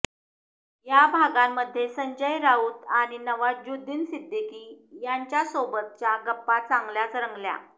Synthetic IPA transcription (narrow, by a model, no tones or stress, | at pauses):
jabʱaɡamːəd̪ʱːjesəɲd͡ʑəjɾauːt̪aɽ̃inəʋad͡ʑud̪ʱiːnsid̪əkiːjaɲt͡ɕjasobət̪̚t͡ɕjaɡəpːat͡sãŋɡljat͡sɾəŋɡlja̰